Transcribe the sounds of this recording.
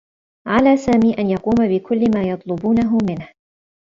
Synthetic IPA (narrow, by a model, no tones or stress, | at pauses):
ʕalaːsaːmiːʔanjɑquːmabɪkʰʊlːɪmaːjɑt̪ˤlʊbuːnaɦʊmɪnh